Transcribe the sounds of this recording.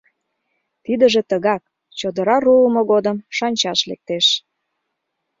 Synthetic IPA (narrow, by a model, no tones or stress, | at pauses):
t̪id̪ə̆ʒĕt̪əɣɑk̚ | t͡ɕod̪əɾɑruəmoɣod̪əmʃɑnʲt͡ɕɑʃlḛk̚t̪eʃ